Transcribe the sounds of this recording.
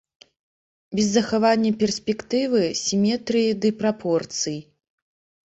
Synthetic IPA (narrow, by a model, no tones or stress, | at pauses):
bʲɛzːɐxavanʲːɐpʲɛrsʲpʲɛkt̪ɨvɨsʲimʲɛt̪ɾɨjid̪ɨpɾapʰɔrt̪sɨj